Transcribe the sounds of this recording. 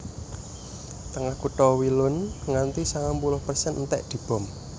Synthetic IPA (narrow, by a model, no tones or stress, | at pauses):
t̪əŋahkuʈ̪ɔwilʊnŋant̪isaŋampulʊhpərsɛnnt̪ɛ̰ʔd̪̥i̤b̥ɔ̤m